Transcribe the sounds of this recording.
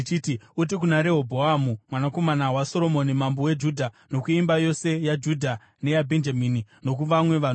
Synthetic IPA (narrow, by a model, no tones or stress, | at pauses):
t͡ʃitiut̬ikunaɾe̞ɦobʱoamumwanako̞manawaso̞ɾo̞mo̞nimambowe̞d͡ʒudʱa | no̞kuimbajo̞se̞jad͡ʒudʱa | ne̞jabʱend͡ʒaminino̞k̬uʋamwe̞ʋan